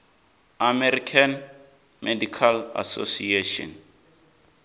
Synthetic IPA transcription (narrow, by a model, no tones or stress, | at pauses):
amɛɾikʰan | mɛdikʰala̰so̰sieʃɔ̰n